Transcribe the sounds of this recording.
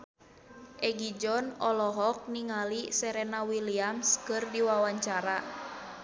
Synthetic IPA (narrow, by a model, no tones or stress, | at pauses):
ʔɛɡid͡ʒɔnɔlɔɦɔk̚niŋalisɛɾɛnawiliamskɨrdiwawaɲt͡ʃaɾa